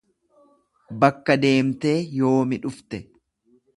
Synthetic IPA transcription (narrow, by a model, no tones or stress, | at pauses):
bɐkːɐd̪e̞ːmt̪e̞ːjo̞ːmɪᶑʊft̪ɛ